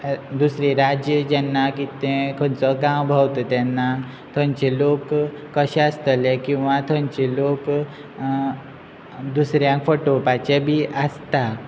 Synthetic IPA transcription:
d̪usɾeɾad͡ʑjəd͡ʑɛnːakit̪ɛ̃kʰənt͡səɡãwbʱawt̪ɔt̪ɛnːa | t̪ʰəɲt͡ɕelokː | əɕẽəst̪əlɛ̃kĩw̃ʋat̪ʰəɲt͡ɕelok | d̪usɾjãkfoʈopat͡ɕebʱiːʔəst̪a

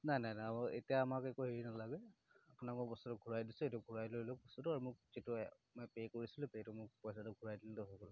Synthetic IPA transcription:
najnajnajaɔḛtijaːmakɛkuɦeɹinalaɡɛapʊnakɔbɔstɔtʊɡʱuɹajdisʊejtuɡʱuɹajlojlok̚bɔstɔtʊaɹumʊk̚z̥itʊ | mpekoɹisilʊpejtʊmʊkpɔjsatʊɡʱuɹajdiltʊɦɔkɔlʊ

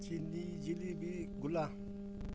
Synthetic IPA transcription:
t͡ʃʰinid͡ʒilibiɡula

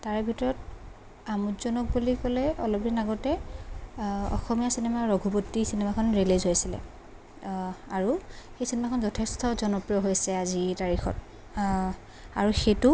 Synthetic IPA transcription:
taɹɛbʱitɔɹɔt̚ | amutzɔnɔk̚bulikɔlɛɔ̰lɔp̚dinaɡɔtɛ | ɔ̰xɔmijasinemaɹɔɡʱubotːisinemakʰɔnɹelezɦojsilɛ̰ | aɹuxejsinemakʰɔnzɔtʰestʰɔzɔnɔpɹijɔɦojsɛazitaɹixɔ̰t | a̰ɹuxetu

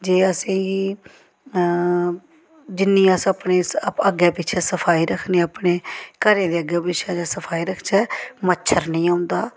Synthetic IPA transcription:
d͡ʒeːəsĩːɡiː | d͡ʒɪnːĩːəsaːpneːəɡɛːpɪtːt͡ʃʰɛːsəpʰaːiːɾəkʰneːaːpɳeːkəɾẽːd̪eːəɡɛːpɪʃʰãːd͡ʒaːsəpʰaːiːɾəkʰt͡ʃɛːmətːʃʰəɾnĩːaːʊnd̪aː

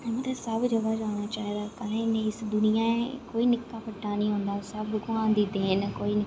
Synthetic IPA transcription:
mət̪ləsəbd͡ʒəɡaːd͡ʒaːɽ̃aːt͡ʃaːɦd̪aːkəlẽːnẽːɪsd̪ʊnɪjaːekoːiːnɪkːaːpəʈːaːnĩːɦõːnd̪aːsəbɡʊãːnd̪iːd̪eːnkoːiːnɪ

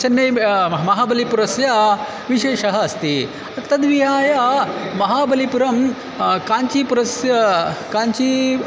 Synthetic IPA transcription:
t͡ɕʰɐnːɐjmɐɦaːbɐlipuɾɐsja | ʋiɕeːʂɐɦɐɐst̪i | t̪ɐd̪ʋiɦaːjamɐɦabɐlipuɾɐm | kaɲt͡ɕiːpuɾɐsjkaɲt͡ɕiː

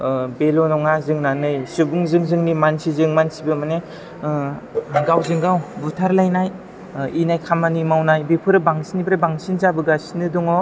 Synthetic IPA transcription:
belɔnɔŋazɯŋnanɯjsubuŋzɯŋzɯŋnimansizɯŋmansibɯmane | ɡawzɯŋɡawbutʰaɾlajnaj | inajkʰamanimawnajbepʰɯɾɯbaŋsinibʰɾɯbaŋsinzabɯɡasinɯdɔŋɔ

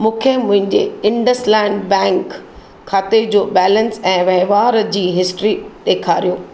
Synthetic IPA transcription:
mũːkʰemʊ̃ɦɪ̃ɲd͡ʑḛɪ̃ɳɖəslɛ̃ːɳɖbɛ̃ːŋkʰː | aːt̪ed͡ʑoːbɛːlə̃nsɛ̃ːʋɐɦʋaːɾd͡ʑiːɦɪsʈɾiɗeːkʰaːɾijoː

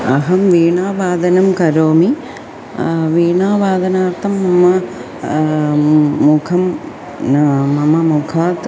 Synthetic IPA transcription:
ɐɦɐmʋiːɳaːʋaːd̪ɐnɐmkɐɾoːmi | ʋiːɳaːʋaːd̪ɐnaːɾt̪ʰɐmːɐmɐ | ukʰɐm | mɐmɐmukʰaːt̪

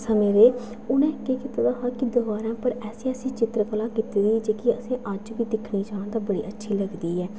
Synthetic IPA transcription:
səmẽːɾeː | ʊnẽːkeːkɪt̪ad̪aːɦaːkɪd̪əbaːɾãːpəɾɛːseːəsĩːt͡ʃɪt̪ɾəpəlaːkit̪iːd̪iːd͡ʒeːkɪəsĩːʔəd͡ʒʋiːd̪ɪkʰniːd͡ʒãːnd̪aːbəɽḭːʔətːʃʰiːləɡd̪iːɦɛː

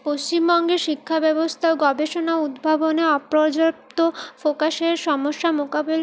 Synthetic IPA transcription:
post͡ɕimbɔŋɡeʃikʰːabɛbost̪ʰaoɡɔbeʃonaud̪bʱaboneɔpɾod͡ʑop̚t̪ofokaʃeɾʃɔmoʃːamokabel

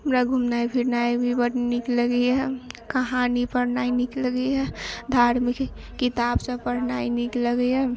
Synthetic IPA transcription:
əmɾaɡʱumnaibʱiɾnajbʱibəʈnikləɡɛjɛkəɦanipəɾnainikləɡəjad̪ʱaɾmik | kːit̪absəpəɾnainikləɡəja

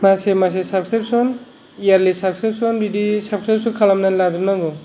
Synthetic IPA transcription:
masemas̬esap̚skɾip̚sɔn | ijaɾlisab̚sɾip̚sɔnbidisap̚kɾip̚sɔkʰalamnanlazumnaɡɔ

